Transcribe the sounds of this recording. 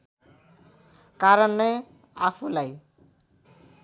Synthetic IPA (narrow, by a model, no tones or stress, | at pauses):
kaɾʌnːe | apʰulaj